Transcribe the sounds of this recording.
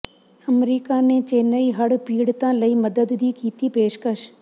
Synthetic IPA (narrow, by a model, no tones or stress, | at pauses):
əmɾiːkanẽt͡ʃeːnəiɦɐɽpiːɽt̪ãːləiməd̪əd̪d̪ʱikiːt̪ipeːʃkəʃ